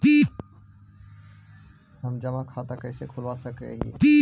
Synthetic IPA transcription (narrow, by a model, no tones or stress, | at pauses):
pi | ɦəmd͡ʒəmakʰat̪akəɦɪsekʰulʋasəkɾḛɦḭpi